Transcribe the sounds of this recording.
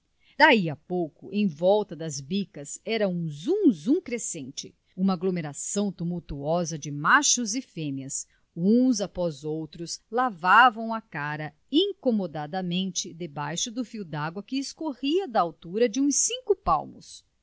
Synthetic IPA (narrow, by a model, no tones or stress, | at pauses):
d̪̥aiɐpowkʊʔẽj̃vɔwt̪ɐd̪ɐzbikɐzɛɾɐũzũzũkɾesẽnt͡ʃɪ̰ | ũmɐaɡlomeɾasɐ̃w̃t̪umuwt̪uɔzɐd͡ʒɪmaʃʊzɪfẽmjɐs | ũzapɔzowt̪ɾʊslavavɐ̃w̃ɐkaɾɐ | ĩŋkomod̪ad̪ɐmẽnt͡ʃɪd̪ebajʃʊd̪ʊfiwd̪aɡwɐkɪːskohiɐd̪ɐːwt̪uɾɐd͡ʒɪũsĩŋkʊpa̰wmʊ̰s